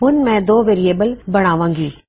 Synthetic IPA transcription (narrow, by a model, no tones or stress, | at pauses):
ɦʊnɪ̆mɛ̃d̪oːʋeːɾieːbəlbɐɽ̃aːʋãːŋɡiː